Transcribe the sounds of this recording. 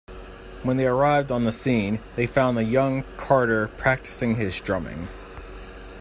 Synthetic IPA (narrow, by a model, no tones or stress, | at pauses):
wə̃nðeɪə˞aɪvdn̩ðəsĩnðeɪfãʊ̃nɨjʌ̃ŋkʰɑɹɾə˞pʰɹ̥æk̚tɨ̥sɪ̃ŋɪzdɹ̥ʌ̃mɪ̰̃ŋ